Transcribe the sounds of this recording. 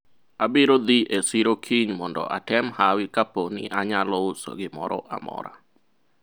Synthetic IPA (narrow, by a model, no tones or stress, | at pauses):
abɪɾod̪iʔesiɾokʰiɲmɔndɔ̰ʔatɛmhawɪkaponḭʔaɲalɔso̰ɡɪmɔ̰ɾɔ̰ʔa̰mɔ̰ɾa̰